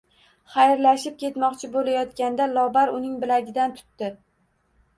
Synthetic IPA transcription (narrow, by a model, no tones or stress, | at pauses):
χajɾlaʃɪp̚kʲʰe̞t̪mɒqt͡ʃʰɪbolajɒt̪kʲand̪alˠɒbaɾʊnɪŋbɪlaɡʲɪd̪ant̪ʰʊ̥t̪ːɪ